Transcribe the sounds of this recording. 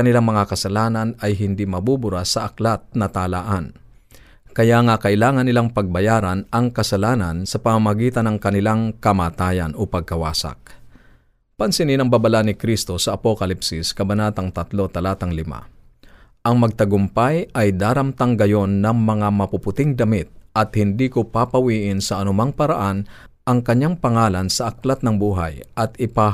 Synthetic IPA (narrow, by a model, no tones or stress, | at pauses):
ɐnɪlaŋmɐŋakɐsɐlaːnɐnɐjɦɪnd̪imɐbubʊɾasɐʔɐklat̪̚nɐt̪aːlaʔɐn | kɐjaŋakɐʔɪlaːŋɐnːɪlaŋpɐɡ̚bɐjaːɾɐnɐŋkɐsɐlaːnɐnsɐpɐmamɐɡiːt̪ɐnɐŋkɐnɪlaŋkɐmaːt̪aːjɐ̰nopɐɡ̚kɐwa̰ːsa̰k̚ | pɐnsɪninɐŋbabɐlanɪkɾist̪o̞sɐʔɐpokɐlipsɪskɐbɐnaːt̪ɐŋt̪ɐt̪lo̞t̪ɐlaːt̪ɐŋlɪma̰ | ʔɐŋmɐɡ̚t̪ɐɡʊmpajʔɐjd̪aːɾɐmt̪ɐŋɡɐjo̞nːɐŋmɐŋamɐpʊpʊt̪ɪŋd̪ɐmɪt̪̚ʔɐt̪hɪnd̪iːkopapɐwiːʔɪnsɐʔɐnʊmaŋpɐɾɐʔan | ʔɐŋkɐɲːaŋpɐŋaːlɐnsɐʔɐklat̪̚nɐŋbuːɦa̰jʔɐt̪ɪpa